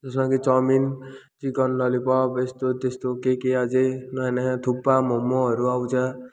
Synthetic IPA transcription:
t̪ʌsmãkit͡sʌmin | t͡sikʌnlʌlipʌbest̪ot̪est̪okekead͡zenʌnaãt̪ʰupːamʌmːoɦʌɾuawt͡sʰa

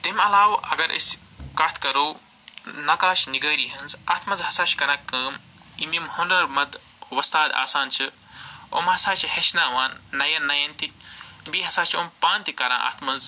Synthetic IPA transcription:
t̪imɐlaːwɐ̰ɡɐɾʔḭs | kɐt̪ʰkɐɾoː | nɐkaːʃniɡəːɾiɦɐnzɐ̰t̪ʰmɐzhɐsat͡ʃkɐnɐkːəːm | imimhonɖɐɾmɐd̪ | ʋɐst̪aːd̪a̰ːsaːnt͡ʃʰɨ | o̰mhɐsaːt͡ʃʰihet͡ʃnaːʋaːnːɐjɐnːɐjɐnt̪ik̚biɦɐsaːt͡ʃʰompaːnt̪ikɐɾã̰ːʔɐ̰t̪ʰmɐnz

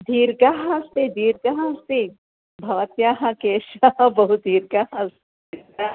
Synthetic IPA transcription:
d̪ʱiːɾɡaɦãst̪id̪ʱiːɾɡaɦãst̪i | bʱɐʋɐt̪jaːɦãkeːʃabɐɦut̪̚d̪ʱiːɾɡaɦãst̪i | a

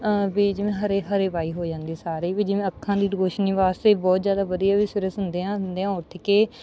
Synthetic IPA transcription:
biːd͡ʒɪʋẽːɦəɾeːɦəɾeːʋaːiːɦoːd͡ʒãːnd̪isaːɾeːʋiːd͡ʒɪʋẽːəkʰːãːd̪iːɾoːʃniːʋaːst̪eːbɔːt̪zjaːd̪aːʋəd̪ijaːʋiːsɪɾəsɦʊnd̪eːɦãːnd̪eːãːʊɾt̪ʰɪkeː

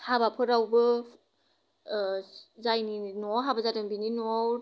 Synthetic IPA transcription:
habapʰɯɾawbɯ | zajninɔɦabazadɯnbininɔw

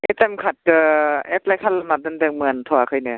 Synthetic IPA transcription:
ʔɛt̪ɛmkʰat̪̚kəʔɛp̚lɛkʰalamaːt̪̚ːɯnt̪ɛŋmɯənt̪ʰɔakʰɤjnɯ

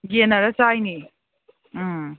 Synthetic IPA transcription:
ɡenɐɾɐt͡ʃajni

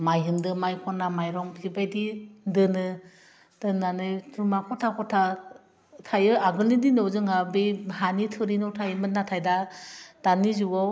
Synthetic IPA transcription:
majɦɯmdɯmajkʰɔnamajɾɔŋibajdindɯnɯ | tɯnanɯjtʰumakʰɔtʰakʰɔtʰa | tʰajɯaɡɯlnininɔwzɯŋabeɦanitʰɯɾinɔwtʰajmɯnːatʰajdatanizuaw

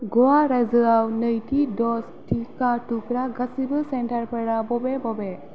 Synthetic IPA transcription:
ɡɔwaɾazɯawnəjtidɔs | tʰikatukɾaɡasibɯsentaɹpʰaɾabɔbebɔbe

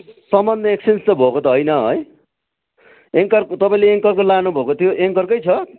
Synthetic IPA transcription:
sʌmːʌnːʌeksenst̪ʌbʱokot̪ʌɦojnʌɦo̰j | eŋkʌrt̪ʌpaĩleeŋkʌrkolanubʱokot̪ʰjoʔeŋkʌrkʌjt͡sʰʌ

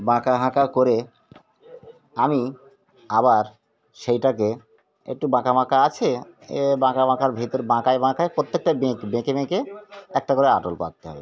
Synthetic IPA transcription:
bãkaɦãkakoɾe | ami | aβaɾ | ʃejʈake | ḛk̚ʈubãkabʱãkaat͡ɕʰebãkabʱãkaɾbʱit̪oɾbãkajbãkaepot̪ːek̚ʈabẽkbẽkebẽkeɛk̚ʈakoɾeaʈolpa̰t̚t̪eɦɔ̰be

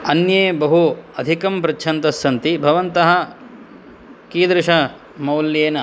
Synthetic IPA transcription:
ɐnjeːbɐɦuɐd̪ʱikɐmpɾɐtːʃʰɐnt̪ɐsːɐnt̪ibʱɐʋɐnt̪ɐɦɐ̆ | kiːd̪ɾɪʂɐ | mɐwljeːnɐ

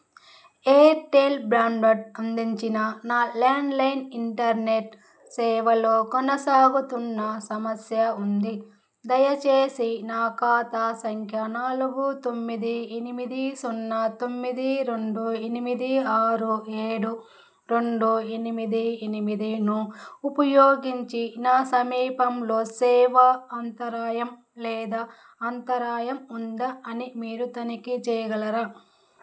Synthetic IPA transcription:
eːɾʈeːlbɾaːɳɖɐʈɐnd̪iɲt͡ʃinɐnaːlaːɳɖlɐjniɳʈɐɾneʈ | sɛːʋɐloːkɔnɐsaːɡut̪unːɐsɐmɐsjɐund̪i | d̪ɐjɐt͡ʃeːsinaːkaːt̪asɐŋkʰjɐnaːluɡut̪o̞mːid̪ienimid̪isonːɐt̪o̞mːid̪iɾe̞ɳɖuenimid̪iaːɾueːɽu | ɾeɳɖuenimid̪ienimid̪inuupɐjoːɡiɲt͡ʃinaːsɐmiːpɐmloːsɛːʋɐɐnt̪ɐɾaːjɐm | lɛːd̪a | ɐnt̪ɐɾaːjɐmund̪ɐɐnimiːɾut̪ɐnikit͡ʃɛːjɐɡɐlɐɾa

